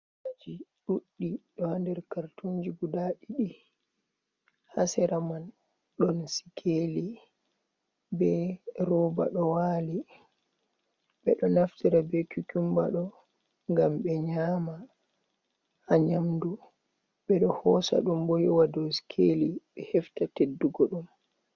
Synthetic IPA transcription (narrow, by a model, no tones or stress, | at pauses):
ad͡ʒiɗuɗːiɗɔhandɛɾkaɾtuɲd͡ʒiɡudaɗiɗi | hasɛɾaman | ɗɔnsi̥kʰeli | bɛɾɔba̰ɗɔwaːli | ɓɛɗɔnaftiɾabɛkukumba̰ɗɔ | ŋɡamɓɛɲaːma | haɲamdu | ɓɛɗɔhɔsa̰ɗumbɔjɔwadosi̥kʰeliɓɛhɛftatedːuɡɔɗum